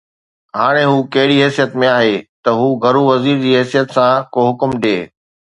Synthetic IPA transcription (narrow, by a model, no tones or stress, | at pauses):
ɦaːɽ̃ẽɦuːkɐɦɪɽiɦɛːsijət̪mẽaːɦeːt̪ɐɦuːɡɐɾuʋɐziːɾd͡ʑiːɦɛːsijət̪sãkoɦʊkmɗeː